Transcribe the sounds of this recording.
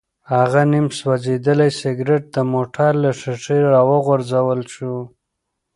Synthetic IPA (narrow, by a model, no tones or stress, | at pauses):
haɣanimswazed̪əlajsɪɡɾeʈ̚d̪əmoʈʰaɾlaʂɪʂiɾɑwəɣʊɾzawəlʃu